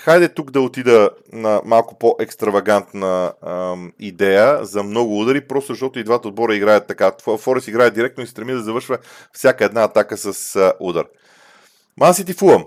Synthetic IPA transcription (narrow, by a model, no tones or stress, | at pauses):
xajd̪ɛt̪uɡd̪ɐot̪id̪ə | nɐmalˠkʊ̥poʔɛkst̪ɾɐvɐɡant̪nə | id̪ɛjəzɐmnɔɡʊud̪əɾipɾɔst̪ʊozɐʃt̪ɔt̪ʊid̪vat̪əod̪̚bɔɾəiɡɾajət̪ːɐkafɔɾɛsiɡɾajəd̪iɾɛk̚t̪noist̪ɾɛmid̪ɐzɐvɤɾʃvə | fsʲjakəɛd̪naːt̪akəsɐsʔud̪ɐɾ | mʔasit̪ifulˠəm